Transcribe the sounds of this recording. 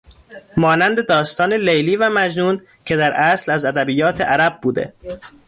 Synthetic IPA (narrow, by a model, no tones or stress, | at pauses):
mɒːnænd̪e̞d̪ɒːst̪ɒːnelejliːvæmæd͡ʒnuːn | cʰe̞d̪æɾʔæslæzæd̪æbijɒːt̪ʰeʔæɾæb̚buːd̪ḛ